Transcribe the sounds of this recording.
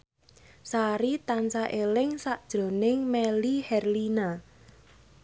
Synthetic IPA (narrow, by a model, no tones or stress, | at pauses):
saɾit̪ansaʔelɪŋsaʔd̥ʒ̥ɾo̤nɪŋmɛlihɛrlina